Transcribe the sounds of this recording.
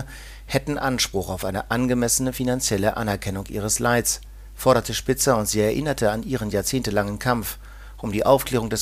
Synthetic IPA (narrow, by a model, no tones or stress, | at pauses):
hɛtn̩ʔanʃpʁ̥ʊχaʊfʔaɪnəʔanɡəmɛsənəfinant͡sjɛləʔa̰nɛɐkʰɛnʊŋʔḭːʁ̞əslaɪs | fɔɐɾɐtəʃpɪt͡səʊntz̥iːɛɐʔɪnɐtʰəanʔiːʁ̞ənjaːɐt͡seːntəlaŋənkʰamf | ʔʊmdiːʔaʊfkl̥eːʁʊŋdɛs